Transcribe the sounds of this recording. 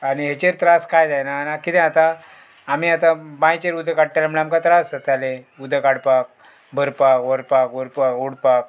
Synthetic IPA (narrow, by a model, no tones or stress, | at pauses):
aniɦet͡ɕeɾt̪ɾaskʰajd̪ajnanakit̪ɛ̃at̪aː | miːat̪ãbãjt͡ɕeɾud̪ʱekaɽʈalaməɭeamkat̪ɾasət̪ale | ud̪ʱekaɽpak̚ | bʱəɾpakʋəɾpakəɾpakuɽpak̚